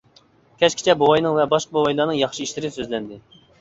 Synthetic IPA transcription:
kʲʰɛt͡ʃkʲi̥t͡ʃʰɛbowɑjnɨŋvɛbɑʃqɑbowɑjlˠɑnɨŋjɑχʃiiʃlɪɾɪsøzlɛnd̪ɪ

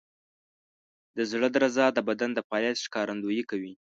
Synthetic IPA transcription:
d̪əzɽəd̪əɾazɑd̪əbad̪and̪əpɑjat̪ʃkɑɾand̪ujikawi

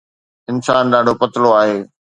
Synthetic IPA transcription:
ɪnsaːnɗaːɖʱopɐt̪ɪloaːɦeː

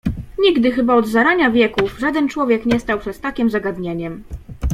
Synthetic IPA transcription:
ɲiɡd̪ɘxɘbaɔd̪zaɾaɲavʲjɛkuvʐad̪ɛnt͡ʂwɔvʲjɛkɲɛst̪awpʂɛst̪akʲimzaɡad̪ɲeɲɛm

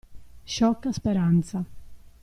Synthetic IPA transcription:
ʃɔkːaspeɾant̪sa

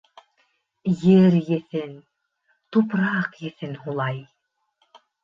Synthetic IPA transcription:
jɘɾjɘ̆θɘn | t̪upɾɑqjɘ̆θɘnhulˠɑj

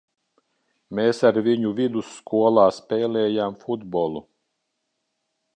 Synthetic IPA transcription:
meːsaɾvʲiɲuvʲid̪usːkʰuɔlˠɑːspʲɛːlʲɛːjaːmfud̪bɔlˠu

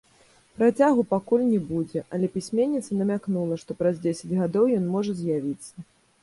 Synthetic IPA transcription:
pɾat͡sʲaɣupakulʲnʲɛbud͡zʲɛʔɐlʲɛpʲisʲmʲenʲːit̪sɐnɐmʲaknulˠɐʂt̪ɔpɾazd͡zʲesʲɐd͡zʲɣad̪ɔwjɔn̪mɔʐɐzʲjavʲit̪sːɐ

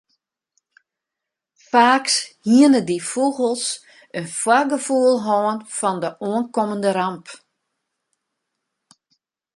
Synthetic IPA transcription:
faːkshiənədifuɣəlˠs | ənfwaɡəfuəlˠɦɔːənfɔndəʔuənkɔməndəɾamp

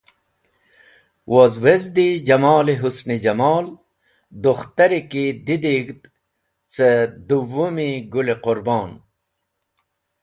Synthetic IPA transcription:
wʔozwezd̪id͡ʑɐmɑːliɦusnid͡ʑɐmɑːl | d̪uxt̪ɐɾikid̪id̪iɡt̪ | t͡sed̪uwumiɡuleqʊɾbɑːn

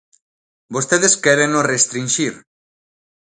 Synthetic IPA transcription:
bost̪eðeskɛɾenorest̪ɾinʃiɾ

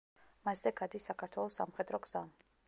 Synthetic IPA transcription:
maszɛɡad̪isːakʰaɾt̪ʰwɛlˠɔsːa̰mχɛd̪ɾɔɡz̥am

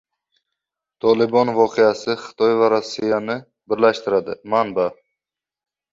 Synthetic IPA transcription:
t̪ʰɒlˠɪbɒnvɒqʰejasɪχɨ̥t̪ʰɒjvaɾasːijanɪ | bɪɾlaʃt̪ɪɾad̪ɪmanba

